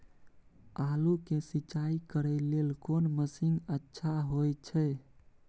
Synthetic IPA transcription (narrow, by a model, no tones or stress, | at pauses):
alukesit͡ʃaikəɾɛlelkonməsiŋɡətːʃʰaɦojt͡ʃʰɛ